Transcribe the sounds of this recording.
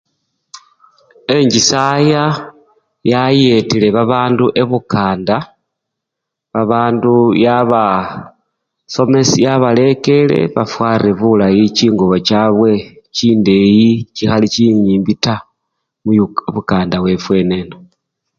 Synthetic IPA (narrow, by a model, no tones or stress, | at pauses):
e̞ɲɟisaja | jaje̞tile̞βaβaːnduʔe̞βukaːnda | βaβaːndujaβa | so̞me̞sijaβale̞ke̞le̞̰βa̰fwaːrie̞βulajiciːŋɡoβo̞t͡ʃaβwe̞ | t͡ʃiːnde̞jicixaliciɲiːmbita | muβukaːndaβwe̞fwe̞ne̞no